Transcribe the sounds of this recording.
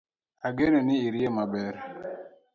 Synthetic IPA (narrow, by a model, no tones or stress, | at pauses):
aɡenenɪiɾjemabɛɾ